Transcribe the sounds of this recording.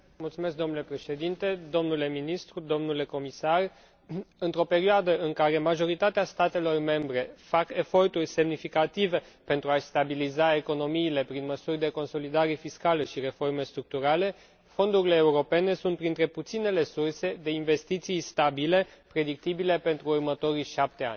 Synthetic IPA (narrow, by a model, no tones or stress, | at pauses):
mult̪sume̞s̬k̚d̪o̞nulepɾe̞ʃe̞d̪int̪e̞d̪o̞mnule̞minist̪ɾud̪o̞mnule̞ko̞misar | ɨnt̪ɾo̞pe̞ɾioad̪əɨŋkaɾe̞maʒo̞ɾit̪at̪east̪at̪e̞lo̞rme̞mbɾe̞fake̞fo̞rt̪urʲse̞mnifikat̪ive̞ | pe̞nt̪ɾuaʃst̪abilizae̞ko̞no̞miːle̞pɾinməsurʲd̪e̞ko̞nso̞lid̪aɾe̞fiskaləʃiɾe̞fo̞rme̞st̪ɾuk̚t̪uɾale̞ | fo̞nd̪uɾile̞ːuɾo̞pe̞ne̞sunt̪̚pɾint̪ɾe̞put̪sine̞le̞surse̞d̪e̞inve̞st̪it̪sijst̪abile̞ | pɾe̞d̪ik̚t̪ibile̞pe̞nt̪ɾuːrmət̪o̞ɾijʃap̚t̪e̞a̰nʲ